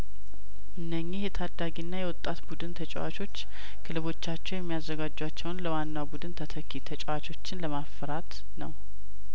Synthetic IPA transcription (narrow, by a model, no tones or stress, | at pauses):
ʔɨnːəɲːihjɛt̪ʰad̪ːaɡinːajɛwɔt̪ʼːat̪bud̪ɨnt̪ʰət͡ʃʼɛwa̰t͡ʃʰo̞t͡ʃː | kʰɨlɨβo̞t͡ʃːat͡ʃːɛwjɛmːijazːəɡad͡ʒːwat͡ʃːɛwnləwanːawbud̪ɨnt̪ʰət̪ʰəkʰːit̪ʰət͡ʃʼɛwat͡ʃʰo̞t͡ʃːɪnləmafːəɾat̪ | nəw